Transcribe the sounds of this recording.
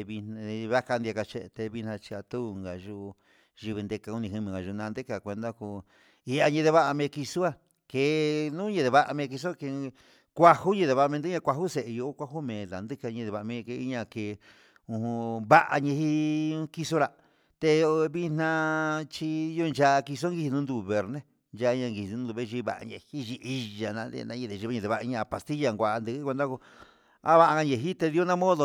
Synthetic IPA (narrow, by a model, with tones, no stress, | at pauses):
e˧βi˧nã˧βa˦ka˧nd̪i˧a˧ka˧t͡ʃe˧t̪e˧βi˧nã˧t͡ʃi˧a˧t̪u˦˨ŋɡa˨ʒu˧ | ʒi˧βi˧nd̪e˧ka˧u˧nĩ˧hi˧mĩ˨ŋɡa˨ʒu˧˨˧nã˧nd̪e˦ka˨kʷe˧nd̪a˦ku˧ | i˧a˧ɲẽ˧ðe˧βa˦ʔa˧mẽ˧ki˧su˦a˦˧ | ke˧˨nũ˦ɲẽ˧ðe˧βa˧ʔa˧mẽ˧k̬i˧s̬o˦˧ke˧ | kʷa˧hu˦ɲẽ˧ðe˧βa˧mẽ˧nd̪ã˧kʷa˧ɦu˦se˨ʔju˧˦kʷa˦hu˦mẽ˨la˨nd̪ɨ˦ka˧ɲẽ˧ðe˧βa˧˨˧mẽ˧ke˧i˦ɲã˧ke˧˨˧ | ũ˧hũ˧βa˦ʔa̰˧ɲẽ˧hi˦ki˧so˦˧ɾa˧ | t̪e˧βi˧n̥nã˧t͡ʃi˧jo˧nd͡ʒa˧ki˧s̬o˦ŋɡi˧hi˧nũ˧˦d̪u˧˨βe˨˧ɾnẽ˦ | nd͡ʒa˧ɲã˧ŋɡi˧hi˨˧ũ˧˦d̪u˧βe˦˧ʒi˧βa̰˨ʔa̰˧ne˧˨hi˦ʒi˧ʔi˧ʒa˨nã˧˦d̪ḛ˧nã˧ɲĩ˧ðe˨ʒi˧˦ɲẽ˧ðe˨βa˧i˧ɲã˧˨pa˨st̪i˦ja˧ŋɡʷa˧ʔnd̪ɨ˧ki˦kʷe˧nd̪a˦ko˧ | a˦βa˧ʔa˧a˧ɲe˧˨ɦi˦t̪e˧ði˧˦o˦nã˦mõ˦ðo˧˨